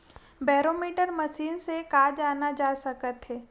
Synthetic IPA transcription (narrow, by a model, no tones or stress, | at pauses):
bɛːɾoːmiːʈəɾməʃiːnsekaːd͡ʒaːnad͡ʒaːsəkət̪ɦɛː